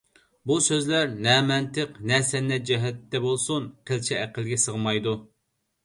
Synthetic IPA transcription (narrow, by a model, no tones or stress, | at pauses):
busøzlæɾnɛmɛnt̪əqnɛsɛnːɛd͡ʒɛɦɛt̪ːɛbolˠsunqʰəlt͡ʃʰɛːqəlˠɡʲɛsəʁmɑjd̪u